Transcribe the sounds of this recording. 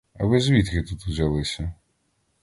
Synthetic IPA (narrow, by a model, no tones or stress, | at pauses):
ɐ̰bɪzʲʋʲit̪kɪt̪ut̪uzʲalˠɪsʲɐ